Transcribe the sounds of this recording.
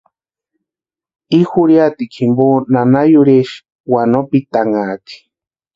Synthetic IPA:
ixuɾjat̪ikʰimbonanajuɾeʃ | wanopit̪aŋaːki̥

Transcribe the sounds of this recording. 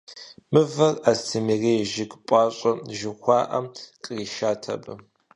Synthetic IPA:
mɨvɐrastʰɨmiːreːʒɪkʼpʼɑːɕʷʼɐʒɪxʷɑːʔɐmqʼəriːʃaːtʰɐ̰bɨ

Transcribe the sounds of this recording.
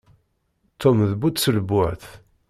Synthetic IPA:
t̪ʰːomðbut͡s̪sələbːʊʕθ

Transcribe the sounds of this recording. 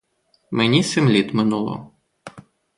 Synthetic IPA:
menʲisemlʲit̪mɪnulˠɔ̰

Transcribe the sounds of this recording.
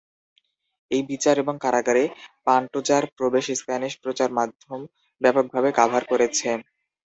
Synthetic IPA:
ejbit͡ɕaɾeboŋkaɾaɡaɾepaɳʈod͡ʑaɾpɾobeʃest̪aniʃpɾot͡ɕaɾmad̪ʱːom | bɛpoɡ̚bʱabekabʱaɾkoɾet͡ɕʰe

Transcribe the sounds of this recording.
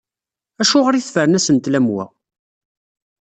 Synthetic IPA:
æʃʊʁəɾiθfəɾənæsənt̪læmwæ̰

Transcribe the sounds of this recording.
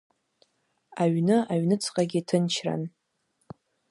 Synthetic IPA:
aɥnɨaɥnɨt͡sʰqʼaɡʲitʰɨnt͡ʃʰra̰n

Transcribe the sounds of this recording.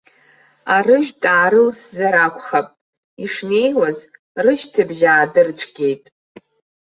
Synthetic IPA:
arɨʒᶣtʼaːɾɨlszaɾakʷʰʼχapʼ | iʂne̞jwaz | rɨʃtʰɨbʒaːdɨrt͡ʃʷʰɡʲe̞jtʼ

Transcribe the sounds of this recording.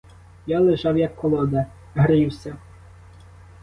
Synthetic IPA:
jalˠɪʒɑwjɐkːɔlˠɔd̪ɐ | ɦɾɪwsʲɐ

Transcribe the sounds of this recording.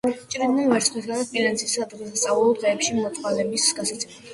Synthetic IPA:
t͡ʃʼɾɛnːanvɛɾt̪sχnisɡanat̪̚pʼilɛnsʼisad̪ʁɛsast̪ʼaulˠɔd̪ʁɛːpʃimɔt̪t̪ʼχwalɛbisɡasat̪sʼɛl

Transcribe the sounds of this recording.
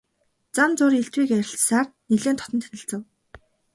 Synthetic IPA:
t͡samt͡sʊːɾeɬt̪wiːkæɾʲɪ̆ɬsaːrniɮeːnt̪ʰɔ̥t̪ɞ̆nt̪ʰænʲɪ̆ɬt͡sə̆w

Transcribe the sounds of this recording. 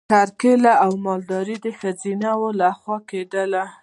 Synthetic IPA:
kaɾkelaawmɑld̪ɑɾid̪əxazinawolaxwɑked̪əla

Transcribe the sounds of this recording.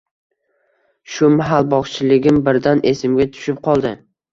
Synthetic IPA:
ʃʊmaɦalbɒχt͡ʃʰɪlɪɡʲɪmbɪɾd̪anʔe̞sɪmɡʲat̪ʰʊ̥ʃɪp̚qʰɒlˠd̪ɪ

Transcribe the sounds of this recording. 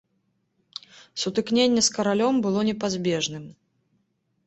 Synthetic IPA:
sut̪ɨknʲenʲːɛskɐɾalʲɔmbɨlˠɔnʲɛpazʲbʲɛʐnɨm

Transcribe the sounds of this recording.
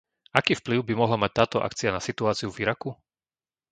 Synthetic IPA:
akiːfpliʊbimɔɦlamac̚t̪aːt̪ɔʔa̰kt͡sianasit̪uaːt͡siuviɾaku

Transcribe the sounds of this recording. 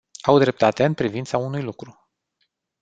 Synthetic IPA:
awd̪ɾe̞p̚t̪at̪e̞ɨnpɾivint̪saunujlukɾu

